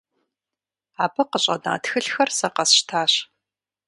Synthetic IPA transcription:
aːbɐqəɕʼɐ̰da̰ːtxɨɬxɐrsɐqɐsʃtʰaːɕ

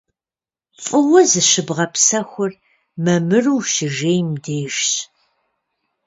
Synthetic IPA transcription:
fʼɨwɐzɨɕɨbʁɐpsɐxʷʊr | mɐmɨruːʃɪʒeːjmdeːʃɕ

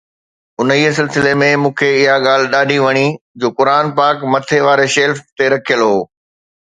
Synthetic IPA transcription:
ʊniːəsɪlsɪlemẽmũːkʰeɪɦaɠaːl̤ɪɗaːɖʱiʋɐɽ̃id͡ʑoːkʊɾaːnpaːkmɐt̪ʰeʋaːɾeʃeːlft̪eɾɐkʰijəlɦoː

